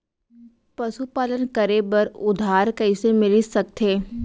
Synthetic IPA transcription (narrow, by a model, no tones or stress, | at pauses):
pɐsupaːlənkəɾebəɾʊd̪ʱaːɾkəɪsemɪlisɐk̚t̪ʰeː